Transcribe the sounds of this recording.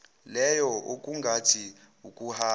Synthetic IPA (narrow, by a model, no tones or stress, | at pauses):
lɛjɔuk̬ʼuŋɡʱatʰi | ukʼuhaː